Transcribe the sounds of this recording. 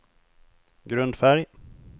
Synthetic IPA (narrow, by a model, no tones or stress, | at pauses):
ɡɾɵnd̪fæɾj